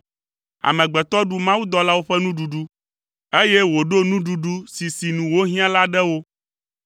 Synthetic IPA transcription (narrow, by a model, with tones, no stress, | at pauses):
a̰˨mɛ̃˨ɡ͡bɛ˨t̪ɔ˦ɖu˦mã˦wu˦d̪ɔ˦la˦wo˦ɸɛ˦nũ˦ɖu˨ɖu˦ | e˦je˦wo˨ɖo˦nũ˦ɖu˨ɖu˦si˨si˨nũ˨wo˦ɦĩ˦ã˦la˦ɖɛ˦wo˦